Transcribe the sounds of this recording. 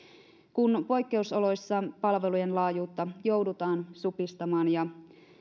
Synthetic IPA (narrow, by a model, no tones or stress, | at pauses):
kunpo̞jkːe̞usolo̞jsːɑpɑlʋe̞lujenlɑːjuːt̪ːɑjo̞wdut̪ɑːnsupist̪ɑmɑːnjɑ